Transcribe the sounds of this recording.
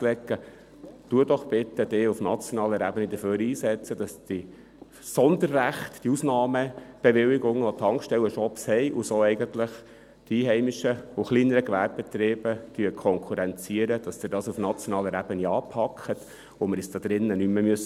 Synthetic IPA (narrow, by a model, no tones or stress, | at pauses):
lɛkːə | tuədɔχb̥ɪt̪ːəd̥eufnɑt͡sjonɑːləɾæbənid̥̪əføːɾiːsɛt͡səd̥ɑsdi | sɔnd̪əɾːæχtd̥iusnɑːməb̥eʋɪwiɡʊŋot̪ʰɑŋkʃtɛlwəʃɔpshɛɪʔusoːɛɪɡənt̪lɪχ | d̥iiːɦɛɪmiʃəʊχliːnəɾəkʋæ̰ɾb̚bet̪ɾɪːb̥ət̪yəkʰɔŋkʰuɾɛnt͡siəɾəd̥ɑsd̥̪ɪdɑːsufnɑt͡sjɔnɑːləɾæb̥əniɑːpʰɑkʰχət̪ | omɪɾɛsd̥̪ɑd̥̪ɾɪnːənymːəmyøs